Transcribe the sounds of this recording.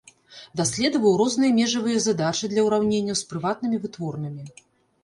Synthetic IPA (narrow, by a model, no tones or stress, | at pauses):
d̪asʲlʲɛd̪ɐvɐwɾɔznɨjɐmʲɛʐɐvɨjɐzad̪at͡ʂɨd̪lʲɐwɾawnʲenʲːɐwspɾɨvat̪̚nɨmʲivɨt̪vɔrnɨmʲi